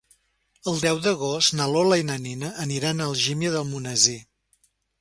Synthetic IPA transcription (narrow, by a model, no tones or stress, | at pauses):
əlˠd̪ɛwðəɣ̞ost̪naloləinəninəʔːniɾanəlˠʒimjəðəlˠmunəzi